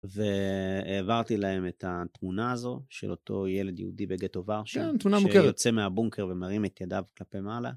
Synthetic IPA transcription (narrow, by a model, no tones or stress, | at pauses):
veeːvaʁt̪ilae̞me̞that̪munaːzo̞ʃḛlʔo̞tʰo̞je̞le̞d̪jḛṵdibeɡeto̞vaʁʃent̪munaʃmukjot͡semeabuŋkʰe̞ʁvemaʁimetjadavklape̞mala̰